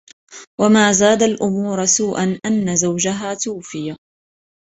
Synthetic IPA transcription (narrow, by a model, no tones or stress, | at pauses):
wamaːzaːd̪alʔʊmuːɾasuːʔanʔanːazawd͡ʒaɦaːt̪uːfɪja